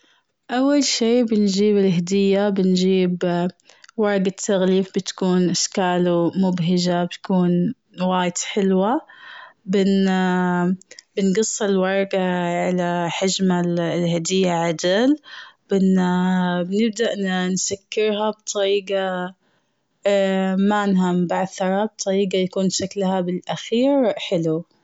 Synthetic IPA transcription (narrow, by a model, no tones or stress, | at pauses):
ʔawːalʃiːbɪnd͡ʒiːbɪlɦad̪ɪjːabɪnd͡ʒiːb | wɑɾˤɑɡat̪ʰːaɣliːfbɪt̪kuːnʔɪʃkaːlumʊbɦɪd͡ʒabɪt̪kuːn | waːjɪd̪ħɪlwa | bɪn | bɪnɡɑsˤːɪlwɑɾˤɑɡaʕalaħad͡ʒmallhad̪ɪjːaʕad̪ɪlb̥ɪnabnɪb̚d̪aʔnnsakːɪɾɦabt̪ˤɑɾiːɡa | manɦambaʕθɑɾˤɑb̚t̪ˤɑɾiːɡajakuːnʃaklhabɪlʔaxiːɾħɪlu